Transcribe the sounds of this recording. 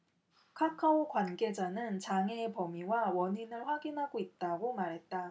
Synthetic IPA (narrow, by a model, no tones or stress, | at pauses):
kʰakʰaokwanɡe̞d͡ʑanɯnt͡ɕaŋeːpʌmiwawʌɲinɯɭɸwaɡinɦaɡoit̚t͈aɡomaɾɦe̞t̚t͈a